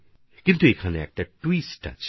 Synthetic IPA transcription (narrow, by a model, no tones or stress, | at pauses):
kɪnt̪uekʰaneɛ̰k̚t̪aʈwiːsʈa̰t͡ʃʰ